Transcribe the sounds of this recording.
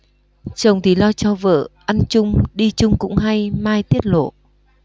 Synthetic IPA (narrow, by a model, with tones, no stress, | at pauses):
t͡ɕə˨˩wŋ͡mt̪ʰi˨˩lɔ˧t͡ɕɔ˧və̰ː˧˨ʔa˧nt͡ɕʊ˧ŋ͡mɗi˧t͡ɕʊ˧ŋ͡mkʊ̰˧˥ŋ͡mɦa˧jmaː˧jt̪i˦˥ət̚lo̰˧˨